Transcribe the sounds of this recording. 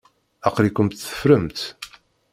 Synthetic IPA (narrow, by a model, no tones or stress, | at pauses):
æqɾikʷəmt̪θə̥fɾəmt̪